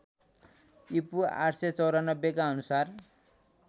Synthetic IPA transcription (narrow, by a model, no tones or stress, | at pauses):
ipua̰ʈset͡sʌwɾanʌbjekaʌnusar